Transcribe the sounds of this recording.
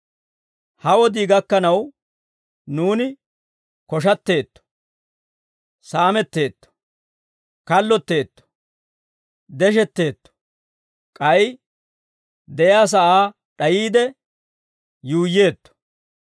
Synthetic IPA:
hɐwɔd̪iːɡɐkːɐnɐw | nuːnɪ | kɔʃɐt̪ːe̞ːt̪ːɔ̥ | saːmɛt̪ːe̞ːt̪ːɔ̥ | kɐlːɔt̪ːe̞ːt̪ːɔ̥ | d̪ɛʃ̬ɛt̪ːe̞ːt̪ːɔ̥ | kʼɐj | d̪ɛʔjaːs̬ɐʔaː | ɗɐjiːd̪ɛ | juːjːe̞ːt̪ːɔ̥

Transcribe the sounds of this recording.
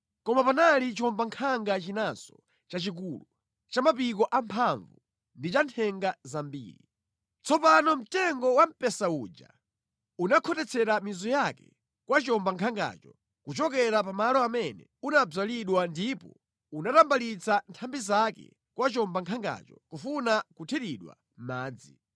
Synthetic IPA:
kɔmapanalit͡ʃɔmbaŋkʰaŋɡat͡ʃinasɔ | t͡ʃat͡ʃik̬uːlu | t͡ʃamapikɔʔampʰaɱvu | ndit͡ʃantʰɛŋɡazambḭːɾḭ | t͡sɔpanɔm̩tɛŋɡɔwam̩pɛsauːd͡ʒa̰ | unakʰɔtɛt͡sʰɛɾamizɔjakɛ̰ | kwat͡ʃɔmbaŋkʰaŋɡa̰ːt͡ʃɔ | kut͡ʃɔkɛɾapamalɔamɛnɛ̰unab͡ʐaliɗwandipɔ̰ | unatambalit͡santʰambizakɛ̰ | kwat͡ʃɔmbaŋkʰaŋɡa̰t͡ʃɔkufunakutʰɛɾiɗwa̰ | m̩maːd͡zi

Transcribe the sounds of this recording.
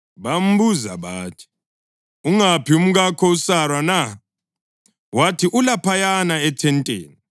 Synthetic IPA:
βam̩buza̰βaːtʰi̥ | uŋapʰium̩ɣakʰɔusarwana | watʰiʔulapʰajanaɛtʰɛntʼḛːni

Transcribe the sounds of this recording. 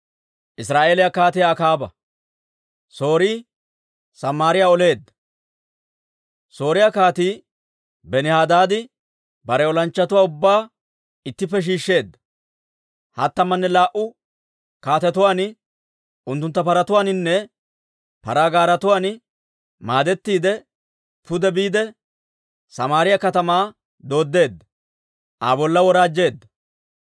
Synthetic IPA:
ʔɪsɾaːʔe̞ːlɪjakaːt̪ɪjaːkaːbɐ̰ | so̞ːɾiː | sɐmːaːɾɪjaːɔle̞ːd̪ːɐ̥ | so̞ːɾɪjakaːt̪iː | bɛnɪhaːd̪aːd̪ɪ | bɐɾɛɔlɐnt͡ʃːɐt̪ʊwaːʊbːaː | ɪt̪ːɪpːɛʃ̬iːʃːe̞ːd̪ːɐ̥ | hɐt̪ːɐmːɐnːɛlaːʔʊ | kaːt̪ɛt̪ʊwaːnɪ | ʊnt̪ːʊnt̪ːɐpɐɾɐt̪ʊwaːnɪnːɛ | pɐɾaːɡaːɾɐt̪ʊwaːn | maːd̪ɛt̪ːiːd̪ɛ | pʊd̪ɛbiːd̪ɛ | sɐmaːɾɪjɐkɐt̪ɐmaː | d̪o̞ːd̪ːe̞ːd̪ːɐ | ʔa̰ːbɔlːɐwɔɾaːd͡ʒːe̞ːd̪ːɐ

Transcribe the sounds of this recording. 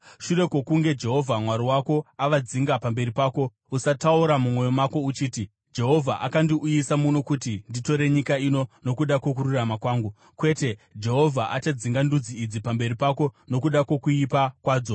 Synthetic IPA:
ʃure̞ko̞kuŋɡe̞d͡ʒe̞ɦo̞vʱamwaɾiwako̞aʋad͡ziŋɡapambe̞ripaːko̞ | usatauɾamumwo̞jo̞mako̞ut͡ʃiːti | d͡ʒe̞ɦo̞vʱaʔakandiʔujisamuno̞kutindito̞ɾe̞ɲikaino̞no̞kuɗakwo̞k̬uɾuramakwaːŋɡu | kwe̞te̞d͡ʒe̞ɦo̞vʱaʔat͡ʃad͡ziŋɡandud͡ziːd͡zipambe̞ɾipako̞no̞kuɗako̞kuipakwaːd͡zo̞

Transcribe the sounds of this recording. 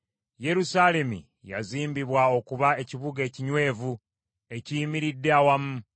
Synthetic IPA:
je̞ɾusaːle̞mḭ | ja̰ziːmbiβwao̞kuβae̞ciβuɡe̞ːciɲwe̞ːvu | e̞ciːmiɾidːeawamu

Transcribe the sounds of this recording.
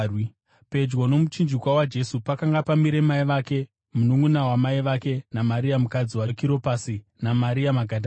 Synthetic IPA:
pe̞d͡ʒwono̞mut͡ʃind͡ʒikwawad͡ʒe̞supakaŋɡapamiɾe̞maiʋake̞ | munuŋɡunawamaiʋake̞namaɾiamukad͡ziwakiɾo̞pasi | namaɾiamaɡʱadʱa

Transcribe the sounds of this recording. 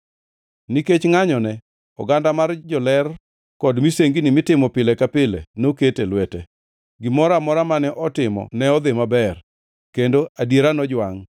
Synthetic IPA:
niket͡ʃŋaɲɔnɛ | ɔ̰ɡandamard͡ʒɔlɛr | kɔdmiseŋɡinɪmɪtɪmɔpɪlekapɪlḛnoketelwɛte | ɡɪmɔɾamɔɾamanɛʔɔtɪmɔ̰nɛɔd̪ɪmabɛr | kendoadjeɾanɔd͡ʒwaŋ

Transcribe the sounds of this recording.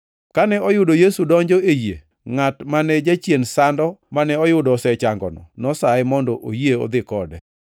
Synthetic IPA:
kanɛɔjʊdojesudɔɲd͡ʒɔejḛ | ŋatmanɛd͡ʒat͡ʃjensandɔmanɛɔjʊdɔsɛt͡ʃaŋɡɔ̰nɔ̰nɔsaɪmɔndɔʔojeɔ̰d̪ɪkɔdɛ

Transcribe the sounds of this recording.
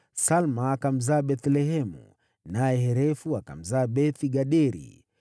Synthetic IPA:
salmaːkam̩zaːɓɛθlɛɦɛmṵ | najɛɦɛɾɛfuaka̰m̩zaːɓɛθiɡaɗɛɾḭ

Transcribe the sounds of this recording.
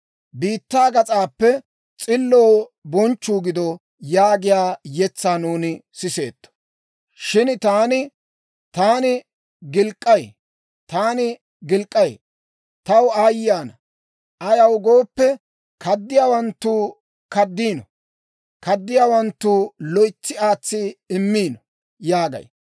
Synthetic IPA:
biːt̪ːaːɡɐt͡sʼaːpːɛ | t͡sʼɪlːo̞ːbɔnt͡ʃːuːɡɪd̪ɔ | jaːɡɪjaːjɛt͡sːaːnuːnɪsɪse̞̰ːt̪ːɔ̥ | ʃɪnt̪aːnɪ | t̪aːnɪ | ɡɪlkʼːɐj | t̪aːnɪ | ɡɪlkʼːɐj | t̪ɐwaːjɪjaːnɐ | ʔɐjɐwɡo̞ːpːɛ | kɐd̪ːɪjaːwɐnt̪ːuː | kɐd̪ːiːnɔ | kɐd̪ːɪjaːwɐnt̪ːuːlɔjt͡sːɪaːt͡sːɪɪmːiːnɔ | jaːɡɐ̰j

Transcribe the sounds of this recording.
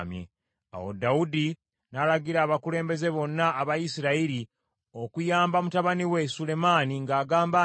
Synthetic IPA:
mjḛ | a̰wo̰daudi | nalaɡiɾaːβakule̞ːmbe̞ze̞βo̞nːaːβajisiɾaiɾi | o̞kujaːmbamutaβaniwe̞sule̞maniŋɡaːɡaːmba

